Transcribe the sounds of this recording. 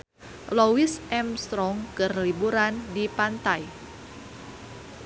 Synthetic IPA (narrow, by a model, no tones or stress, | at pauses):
lowisʔɛmst̪ɾɔŋkərlibuɾandipant̪aj